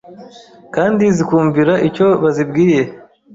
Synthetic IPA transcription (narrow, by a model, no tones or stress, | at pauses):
kaːndizikuːɱviɾaʔico̞βazibɡiːje̞